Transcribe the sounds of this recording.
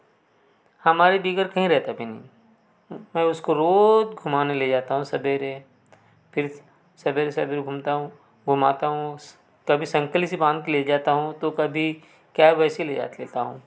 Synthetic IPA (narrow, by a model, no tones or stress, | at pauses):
hɐmaːɾebiːɡəɾkɐɦĩɾɛɦt̪abʱinḭ̃ | mɛ̃ːʊskoɾoːd͡ʒɡʱʊmaːneled͡ʒaːt̪aɦũsɐbʱeɾe | pʰɪɾ | sɐbʱeɾesɐbʱeɾɡʱʊmt̪aɦũ | ɡʱʊmaːt̪aɦũ | kɐbʱisɐ̃ŋkəlis̬ibãːnd̪̚keled͡ʒaːt̪aɦũt̪okɐbʱi | kjaːʋɛːseled͡ʒa̰ːt̪lḛːt̪aɦũː